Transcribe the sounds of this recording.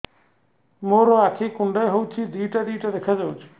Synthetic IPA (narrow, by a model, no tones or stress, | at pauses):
moɾoakʰikuɳɖajɦowt͡ʃʰid̪ijʈad̪iʈad̪ekʰad͡ʒawt͡ʃʰi̥